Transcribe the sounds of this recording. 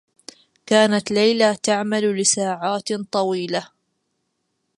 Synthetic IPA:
kaːnat̪lajlat̪aʕmallɪsaːʕaːt̪t̪ˤɑwiːla

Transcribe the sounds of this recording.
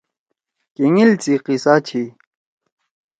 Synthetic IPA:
kiŋilt͡siqisaːt͡ɕʰi

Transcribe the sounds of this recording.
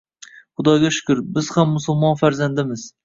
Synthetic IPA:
χʊd̪ɒɡʲaʃʊ̥kʰʲʊɾbɪz̥hamːʊsʊlˠmɒnfaɾzand̪ɪmɪz

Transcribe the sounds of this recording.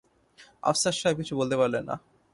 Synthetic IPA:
a̰fsaɾʃab̚kit͡ɕʰubolt̪epaɾlenːa̰

